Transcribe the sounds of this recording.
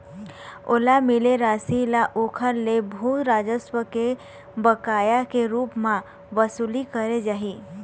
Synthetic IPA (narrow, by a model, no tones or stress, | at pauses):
o̰ːlamɪleɾaːsilaʔokʰəɾlebʱuːt̪ɾaːd͡ʒəswəke | bəkaːjakeɾuːpmã | ʋəsulikəɾed͡ʒaːɦi